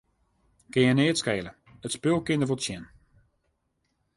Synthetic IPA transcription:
kɪjəneːtskeːlə | ətspølˠkɪndəvotsjɛn

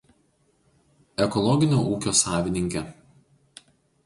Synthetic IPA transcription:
ɛkɔlˠɔɡʲɪnʲoːʔuːkʲoːsɑːʋʲɪnʲɪŋʲkʲɛ

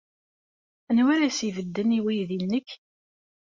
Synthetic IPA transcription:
ənwæɾæsivəd̪ːəniwijðilnəkː

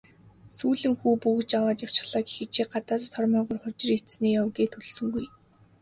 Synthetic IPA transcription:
suːɮɘ̆ŋxuːpuɣɘ̆t͡ɕawaːt͡ɕ̪jaw̥t͡ɕɪ̥̆χɮaːki̥xĕt͡ɕʰeːɢat̪aːst̪ʰɔrmœːʁʊrχʊt͡ɕ̆rineːjawɡeːt̪ʰuɮsɵ̆ŋɡuj

